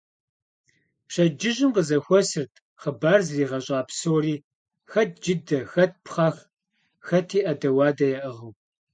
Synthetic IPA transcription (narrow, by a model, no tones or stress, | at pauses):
pɕɐd͡ʒɪʑɪmqəzɐxʷɔsɨrtʰ | χəbaːrzziːʁɐɕʼaːpsowɾiː | xɐt̚ʰd͡ʒɪdɐxɐt̚pʰχɑːx | xɐtʰiːʔɐdɐwɑːdɐjaʔʁɐw